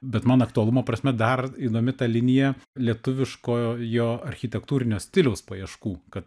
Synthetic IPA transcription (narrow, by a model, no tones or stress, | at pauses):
bʲɛt̪mɐnɐkt̪uɐlˠʊmopɾɐsʲmʲɛd̪ɐriːd̪oːmʲɪt̪ɑːlʲɪnʲɪjɛlʲiɛt̪ʊʋʲɪʃkoːjoːɐɾʲxʲɪt̪ʲɛkt̪uːɾʲɪnʲoːsʲt̪ʲɪlʲɛʊspoːjɛʃkuːkɐt̪